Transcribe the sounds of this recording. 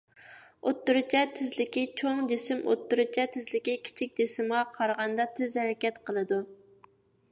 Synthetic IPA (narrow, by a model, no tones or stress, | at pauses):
ot̪ːuɾɨt͡ʃʰɛt̪ʰɪzlɪkʲit͡ʃʰoŋd͡ʒesɪmʔo̰t̪ːuɾɨt͡ʃʰɛt̪ʰɪzlɪkʲikʲʰi̥t͡ʃʰik̚ʲd̪esɪmʁɑqʰɑɾʁɑnd̪ɑt̪ʰɪzhæɾɛkʲɛt̪qʰəlˠɨd̪u